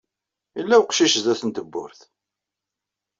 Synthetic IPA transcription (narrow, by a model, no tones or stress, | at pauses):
ilːæwqʃiʃəzæθənt̪əbːʊ̰ɾθ